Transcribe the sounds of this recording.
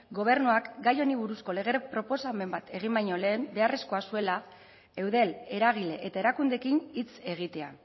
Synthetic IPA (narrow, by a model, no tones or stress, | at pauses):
ɡo̞β̞e̞ɾnuakɡajo̞niβuɾusko̞le̞ɣe̞ɾepɾo̞po̞same̞mbat̪e̞ɣ̞imbajɲo̞le̞ːmbe̞are̞sko̞asue̞la | e̞wðe̞le̞ɾaɣ̞ile̞ʔet̪aeɾakund̪e̞kinit͡se̞ɣ̞it̪e̞a